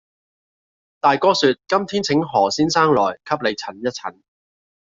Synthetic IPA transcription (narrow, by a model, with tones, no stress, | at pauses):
t̪aː˨jkɔː˧˥syː˧t̚kɐ˥mt̪ʰiː˥nt͡sʰɪ˨˥ŋɦɔː˨˩siː˥nsaː˥ŋlɔ̰ː˨˩jkʰɐ˥p̚le˨˧jt͡sʰɐ˨˩njɐ˥t̚t͡sʰɐ̰˨˩˦n